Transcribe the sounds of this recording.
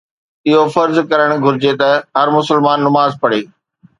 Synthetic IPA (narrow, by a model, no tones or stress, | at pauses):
ɪɦofɐɾzkɐɾəɽ̃ɡʱʊɾɪd͡ʑet̪ɐɦɐɾmʊsəlmaːnːɐmaːzpɐɽ̤eː